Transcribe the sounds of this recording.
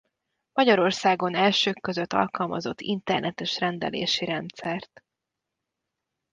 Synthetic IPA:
mɒɟɒɾo̞rsaːɡo̞nɛlʃøːkːø̞zøt̪ːɒ̰lkɒlmɒzo̞t̪ːint̪ɛrnʔɛt̪ɛʃrɛnd̪ɛ̰lḛːʃiɾɛnt̪sɛrt̪

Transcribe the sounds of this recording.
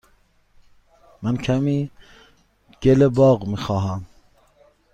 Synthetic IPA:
mænkʰæmiː | ɡ̥elebɒːɣmiːxɒːɦæm

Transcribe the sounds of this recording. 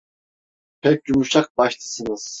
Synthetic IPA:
pʰɛc̚ʲd͡ʒumuʃak̚baʃt̪ʰɯ̥sɯnɯz̥

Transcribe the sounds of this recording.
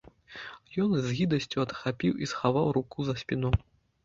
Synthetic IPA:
jɔnzʲɣʲid̪ɐsʲt͡sʲuɐt̪xapʲiwisxavawɾukuzɐsʲpʲinɔ

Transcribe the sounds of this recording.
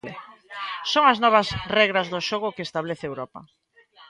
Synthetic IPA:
soŋɐaznɔβɐsrɛɣɾazðʊʃoɣ̞ʊkeest̪aβleθeewɾɔpɐ̰

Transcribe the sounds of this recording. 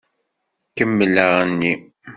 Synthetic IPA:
kəmːələɾənːi

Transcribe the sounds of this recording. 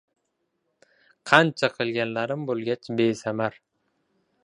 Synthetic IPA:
qʰɑnt͡ʃʰaqʰɨlˠɡʲanlaɾɪmbolˠɡʲat͡ʃbesamaɾ

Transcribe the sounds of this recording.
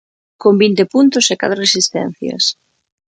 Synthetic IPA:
kombint̪epunt̪ʊseka̰t̪ɾoresist̪ɛ̰n̟θjɐ̰s

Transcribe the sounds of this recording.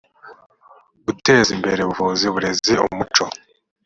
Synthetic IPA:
ɡute̞ːzimbe̞ɾe̞βuvuziβuɾe̞zio̰mut͡ʃo̞

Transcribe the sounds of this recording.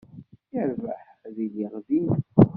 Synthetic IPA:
jəɾvaħðiliʁðin

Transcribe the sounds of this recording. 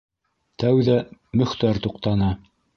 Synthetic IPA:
t̪æwðæmɵ̆χt̪æɾt̪uqt̪ɑnɤ

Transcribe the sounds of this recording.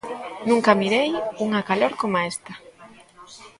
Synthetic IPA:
nũŋkamiɾejuŋakaloɾkomaest̪a

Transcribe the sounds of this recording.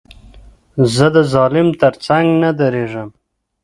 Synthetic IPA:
zəd̪əzɑlɪmt̪əɾt͡saŋɡnad̪aɾeʐəm

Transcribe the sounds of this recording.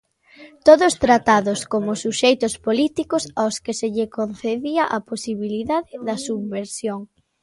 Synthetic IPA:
t̪oðʊst̪ɾat̪aðʊskomʊsuʃejt̪ʊspolit̪ikʊsawskɪseʎɪkonθeðiɐʔaposiβiliðaðɪðɐsuββeɾsjoŋ

